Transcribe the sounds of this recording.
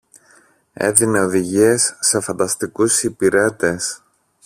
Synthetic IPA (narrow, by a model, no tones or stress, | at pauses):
e̞̰ðine̞o̞ðiʝie̞sːe̞fɐnd̪ɐst̪ikusipiɾe̞t̪e̞s